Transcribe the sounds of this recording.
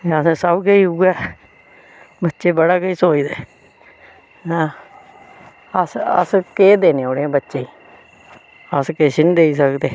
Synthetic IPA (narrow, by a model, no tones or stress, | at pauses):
eəssəbɡeiːuɡaː | bətːʃeːbəɽaːkəiːsoːiːd̪eː | nãː | əsə̰skeːd̪eːneːoːɽeãːbətːʃeːiː | əskeːʃɪnd̪eiːs̬əkd̪eː